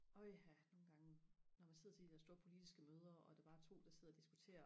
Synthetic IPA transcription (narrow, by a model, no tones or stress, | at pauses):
ɔ̽ɪhæno̝ːn̩ɡ̥ɑ̈ŋənɒmænse̝ð̰ˠɐt͡sʰed̥id̥æɐsd̥o̝ːɐpʰo̝lid̥isɡ̥əmøːð̞ˠɐʔɒ̽d̥ɑ̈ʋɑ̈t͡sʰo̝̰ːd̥ɑse̝ð̰ˠɐd̥isɡ̥ut͡sʰe̝̰ːɐ